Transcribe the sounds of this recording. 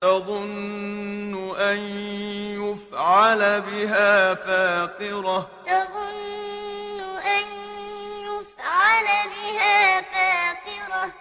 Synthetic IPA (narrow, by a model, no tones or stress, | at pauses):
t̪ɑðˤʊnː | ʊʔanjʊfʕalabɪɦaːfaːqɪɾat̪ɑðˤʊnː | ʊʔanjʊfʕalabɪhaːfaːqɪɾa